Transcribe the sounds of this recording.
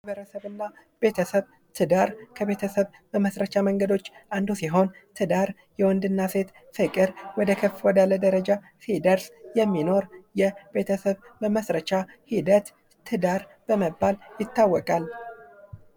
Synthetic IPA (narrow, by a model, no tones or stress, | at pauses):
aβəɾəsəβɨnːa | be̞t̪ʰəsəβ | t̪ʰɨd̪aɾkʰəβe̞t̪ʰəsəβbəməsɾət͡ʃaməŋɡəd̪o̞t͡ʃːʔand̪usiɦo̞nt̪ʰɨd̪aɾ | jɛwɔnd̪ɨnːase̞t̪ | fɨkʼɨɾwɔd̪əkʰəfwɔd̪alːəd̪əɾəd͡ʒa | sid̪əɾsjɛmːino̞ɾjɛbe̞t̪ʰəsəβbəməsɾət͡ʃahid̪ət̪ʰː | ɨd̪aɾ | b̥əməbːaljɪt̪ːawːɔkʼal